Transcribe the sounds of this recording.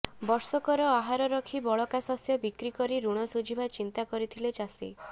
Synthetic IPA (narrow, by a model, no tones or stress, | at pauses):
bɔɾsɔkɔɾɔaɦaɾɔɾɔkʰibɔɭɔkasasjɔbikɾikɔɾiɾuɽ̃ɔsud͡ʒʱibʱat͡ʃint̪akɔɾit̪ʰilet͡ʃasḭ